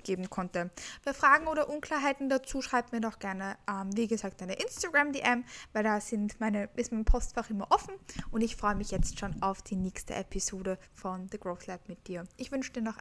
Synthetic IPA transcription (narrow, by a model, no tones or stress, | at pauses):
ɡ̥eːbm̩kʰɔntəb̥aɪfʁ̥aːɡŋ̩oːɾɐʔʊnkl̥aːɐɦaɪtn̩dat͡suːʃʁ̥aɪb̚tmiːɐdɔχɡ̥ɛɐnəʔɛmviːɡəzaːk̚t̚d̥aɪnəʔɪnstaɡ̥ʁamdeʔɛmvaɪldaz̥ɪntmaɪnəʔɪstmaɪnpʰɔstfaχʔɪmɐʔɔfn̩ʔʊndɪçfʁ̥ɔʏəmɪçjɛt͡stʃoːnaʊfd̥iːnɛːçstə̰ʔɛpʰizoːdəfɔndəɡʁoːθlɛpmɪt̚d̥iːɐʔɪçv̥ʏnʃəd̥iːɐnɔχ